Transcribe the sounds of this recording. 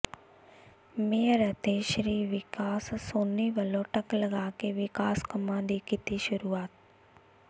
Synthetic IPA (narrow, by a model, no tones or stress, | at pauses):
meːɾət̪eʃɾiːʋɪkaːssoːnːiʋəlõʈəkləɡaːkeʋɪkaːskəmãːd̪ikɪt̪iʃʊɾuːaːt̪̚